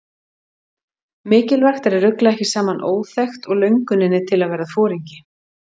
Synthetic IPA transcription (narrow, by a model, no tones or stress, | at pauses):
mɪːcɪlvɛr̥xt̪ɛɾɛrːʏklaɛhcɪsaːmanʔoːwθɛxt̪ɔɣlœɥŋkʏnɪnːɪt̪ʰɪlaðvɛːɾafɔːɾiɲcɪ̥